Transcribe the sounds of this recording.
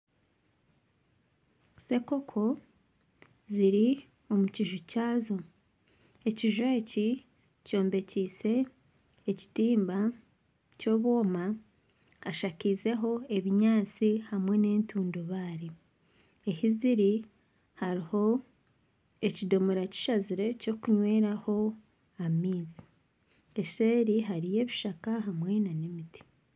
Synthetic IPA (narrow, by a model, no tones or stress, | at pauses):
se̞ko̞kʰo̞ | ziɾi | o̞muciʒucaːzo̞ | eciʒe̞ːci | co̞ːmbe̞ciːse̞ː | ci̥tiːmba | co̞ːβwo̞ːmaː | ʃakize̞ɦo̞e̞βiɲaːt͡sihamwe̞ne̞ːntuːndoβaːɾi | ehiziɾi | haɾiho̞ | ecido̞muɾaci̥ʃaziɾe̞co̞kuɲwe̞ːɾaho̞ | amiːzi | eʃeːɾiɦaɾije̞ːβiʃakaɦamwe̞nanemiti̥